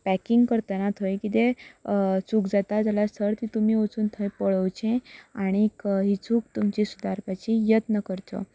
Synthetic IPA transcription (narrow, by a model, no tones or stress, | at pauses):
pækiŋɡkəɾt̪ənat̪ʰojkit̪e | t͡suːkd͡zat̪ad͡zalast̪ʰəɾt̪ĩt̪um̤iːot͡suːnt̪ʰə̃jpəɭəwt͡ɕẽaɽ̃ikɦit͡suːk̚t̪umt͡ɕisud̪aɾpat͡ɕijət̪nəkəɾt̪ɔ̰